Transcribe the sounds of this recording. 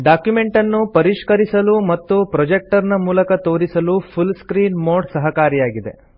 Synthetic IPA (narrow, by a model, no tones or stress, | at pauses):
ɖaːkjume̞ɳʈɐnːupɐɾiʂkɐɾisɐlumɐt̪ːupɾɐd͡ʒek̚ʈɐɾnɐmuːlɐkɐt̪oːɾisɐlupʰulskɾiːnmoːɖsɐɦɐkaːɾijaːɡid̪e̞̰